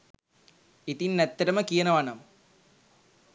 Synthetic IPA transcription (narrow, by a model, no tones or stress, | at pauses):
it̪inːɛt̪ːɐɾɐməkijənəʋanɐm